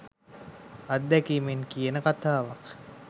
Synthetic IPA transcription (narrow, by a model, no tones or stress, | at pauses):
ɐd̪ːɛkiːmenkijenəkat̪aːʋak